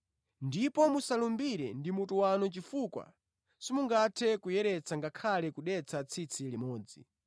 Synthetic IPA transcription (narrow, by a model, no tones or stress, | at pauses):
ndipɔmusalumbiɾɛndimutuwanɔt͡ʃifukwa̰ | simuŋɡatʰɛkujɛɾɛt͡sʰaŋɡakʰalɛkuɗɛt͡sʰat͡sʰit͡sʰilimɔːd͡zḭ